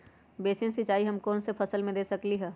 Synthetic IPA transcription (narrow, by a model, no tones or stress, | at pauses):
beːsĩnsɪt͡ʃaːiɦɐmkɔːnsepʰɐsəlmẽd̪eːsɐkliɦɛː